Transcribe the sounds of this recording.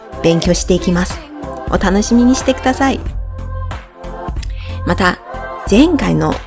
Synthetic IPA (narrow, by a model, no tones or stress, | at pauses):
b̥ẽ̞ŋkʲo̞ːɕi̥t̪e̞ikʲimasɨ̥o̞̰t̪ano̞ɕimʲiɲ̟iɕi̥t̪e̞kɯ̟d̪asai | mat̪az̥ẽ̞ŋkaino̞̰